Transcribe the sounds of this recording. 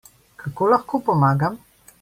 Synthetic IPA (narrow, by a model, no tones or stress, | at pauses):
kʰakoːlaxkopɔmaːɡam